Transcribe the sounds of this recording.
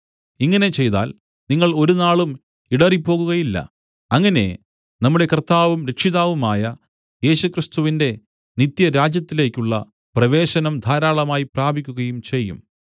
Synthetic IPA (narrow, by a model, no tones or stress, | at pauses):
iŋːɐne̞t͡ɕe̞jt̪a̰ːl | niŋːɐɭo̞ɾunaːɭum | iɽɐripːo̞ːɣuɣɐjilːɐ̰ | ɐŋːɐne̞̰ | nɐmːuɽe̞kɐrt̪ːaːʋumɾekʂiðaːʋumaːjɐ | je̞ːɕukrist̪uʋinde̞ | nit̪jɐɾaːd͡ʑjɐt̪ːile̞ːkʲːuɭːɐ̰ | prɐʋe̞ːɕɐnɐmd̪ʱaːɾaːɭɐmaːjipraːbʱikʲːuɣɐjumt͡ɕe̞jːṵm